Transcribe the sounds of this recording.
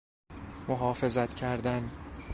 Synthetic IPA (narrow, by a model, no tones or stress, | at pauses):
moɦɒːfe̞zæt̪cʰæɾd̪æn